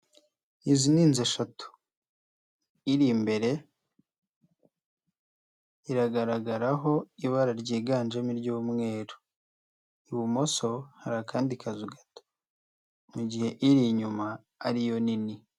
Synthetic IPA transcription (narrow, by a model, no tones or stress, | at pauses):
iziniːnzeʃatu̥ | iɾimbe̞ɾe̞ | iɾaɡaɾaɡaɾaɦo̞iβaɾaɾɟiːɡaːnʒamiɾɟuːmŋe̞ːɾo̥ | iβumo̞so̞haɾakaːndikʰazuɡḁto̥ | muɟihe̞ʔiɾiɲumaː | ɾijo̞nini